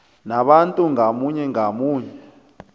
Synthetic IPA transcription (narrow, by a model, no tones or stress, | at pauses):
naɓantʼuŋamuɲɛŋamuːɲɛ